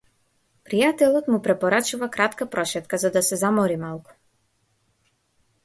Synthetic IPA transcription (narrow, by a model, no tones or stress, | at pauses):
pɾijat̪ɛlˠɔt̪mupɾɛpɔɾat͡ʃuvakɾat̪kapɾɔʃɛt̪kazad̪asɛzamɔɾimalˠku̥